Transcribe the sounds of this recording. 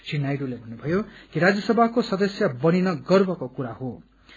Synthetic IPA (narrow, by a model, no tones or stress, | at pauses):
sinːajɽulebʱʌnːubʱʌjokiɾad͡zjʌsʌbʱakosʌd̪ʌsjʌbʌninʌɡʌrbʌkokuɾaɦo